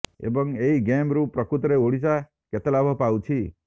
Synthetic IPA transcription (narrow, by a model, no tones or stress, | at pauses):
ḛbɔŋeiɡemɾupɾɔkut̪ɾeoɽisa | ket̪ɔlabʱɔpawt͡ʃʰi